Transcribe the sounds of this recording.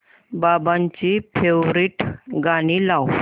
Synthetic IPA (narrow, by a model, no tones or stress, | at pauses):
babãɲt͡ɕipʰewɾiːʈɡaɽiːlaw